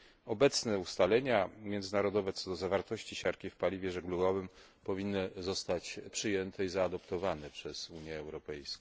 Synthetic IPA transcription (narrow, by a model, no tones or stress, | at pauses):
ɔbɛt̪snɛust̪alɛɲamʲjɛnd̪zɘnaɾɔd̪ɔvɛt̪sɔd̪ɔzavaɾt̪ɔɕt͡ɕiɕaɾkʲifpalʲivʲjɛʐɛɡluɡɔvɘm | pɔvʲinːɘzɔst̪at͡ɕpʂɘjɛnt̪ɛizaːd̪ɔpt̪ɔvanɛpʂɛz̥uɲjɛːwɾɔpɛjsk